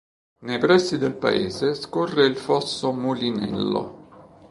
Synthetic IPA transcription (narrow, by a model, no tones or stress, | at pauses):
nejpɾɛsːid̪elpa̰ḛːzeskɔrːeilfɔsːomulinɛ̰lːo̰